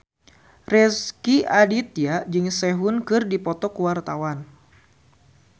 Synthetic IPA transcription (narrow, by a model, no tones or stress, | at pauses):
rɛskiadit̪̚jad͡ʒɨŋsɛɦʊnkɨrdipɔt̪ɔkuwart̪awan